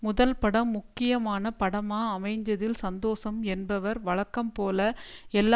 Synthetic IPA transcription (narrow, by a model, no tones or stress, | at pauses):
mʊðɐlpɐɽɐmːʊkːɪjɐmaːnɐpɐɽɐmaːɐmɐɪɲd͡ʒɐðɪlsɐnd̪oːsɐmɛnbɐʋɐɾʋɐɭɐkːɐmpoːlɐɛlː